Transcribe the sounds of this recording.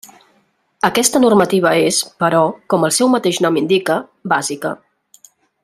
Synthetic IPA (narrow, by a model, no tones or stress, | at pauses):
əkɛst̪ənurmət̪iβ̞əespəɾɔkɔməlˠsɛwmət̪eʃnɔmind̪ikə | bazikə